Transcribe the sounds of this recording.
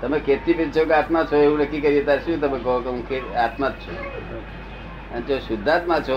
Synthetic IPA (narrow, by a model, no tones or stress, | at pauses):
t̪əmekʰet̪ipent͡ʃʰokat̪mat͡ʃʰoeʋũnəkːikəɾiet̪aɾʃũt̪əmekəɦokeũkʰeat̪mat̪̚t͡ʃʰo | ə̰nt͡ʃoʃʊd̪ʱːat̪mãt͡ʃʰo